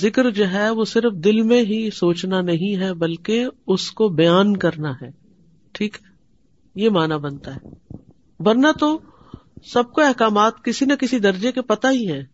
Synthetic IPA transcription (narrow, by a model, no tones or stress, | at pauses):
zɪkɾd͡ʒoɦɛʋosɪɾfd̪ɪlmẽɦisoːt͡ʃnanɐɦĩɦɛbɐlkeʊskobɐjaːnkɐɾnaɦɛː | ʈʰiːkɦɛ | jemaːnabɐnt̪aɦɛː | ʋɐɾnat̪o | sɐb̚koɛɦkaːmaːt̪kɪsinɐkɪsid̪ɐɾd͡ʒekepɐt̪aɦiɦɛ̃ː